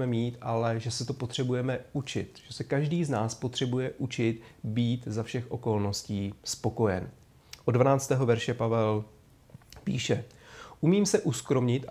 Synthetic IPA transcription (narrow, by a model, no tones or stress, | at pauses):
mɛmiːt̪ʔalɛʒɛsɛt̪opot̪r̝̥ɛbujɛmɛʔut͡ʃɪ̰t̪ʒ̥ɛsɛkaʒdiːznaːspo̞t̪r̝̥ɛbujɛʔut͡ʃɪt̪biːt̪zafʃɛxʔo̞ko̞lno̞sciːspo̞ko̞jɛ̰n | ʔodvanaːt͡st̪ɛːɦo̞vɛɾʃɛpavɛl | pḭːʃɛ | ʔumiːmsɛʔuskɾo̞mɲɪt̪ʔ